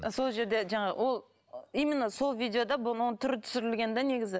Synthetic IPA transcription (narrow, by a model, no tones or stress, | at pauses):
so̞lˠʒe̞ɾd̪e̞ʒɑɴɑʁ̰wo̞lˠ | ijmɪnɑso̞lˠvijd̪ejo̞d̪ɑbʊnwo̞nət̪ʰʏɾɪt̪ʰʏ̥sɪɾɪlɡʲe̞nd̪ene̞ɡʲɪzɪ